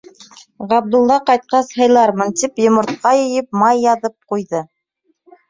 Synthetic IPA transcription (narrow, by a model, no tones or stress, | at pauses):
ʁɑb̚d̪ulˠːɑqɑjt̪̚qɑshɤ̆jlˠɑɾmɤnt̪ipjŏmŏɾt̪̚qɑjɵ̆jɘp̚mɑjːɑðɤp̚qujðɤ